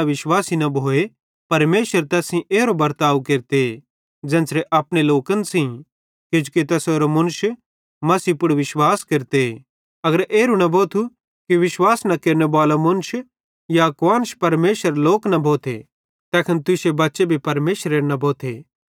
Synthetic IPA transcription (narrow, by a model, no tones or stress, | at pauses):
ʋɪʃwaːsinɐbʱoːe | pɐɾmeːʃəɾt̪ɛːsĩʔeːɾobɐɾt̪aːʋkeːɾt̪e | d͡ʒɛ̃ːnsɾeʔɐpɽ̃eloːkənsĩ | kɪd͡ʒuket̪ɛsoːɾomʊnʊʃ | mɐsiːpʊɽʋɪʃwaːskeːɾt̪e | ɐɡəɾʔeːɾunɐbʱoːt̪ʰu | kiʋɪʃwaːsnɐkeːɾnebaːlamʊnʊʃ | jakʋaːnʃpɐɾmeːʃəɾloːknɐbʱoːt̪ʰḛ | t̪ɛːkʰɐnt̪ʊsebɐtːʃebʱipɐɾmeːʃəɾeːɾnɐbʱoːt̪ʰe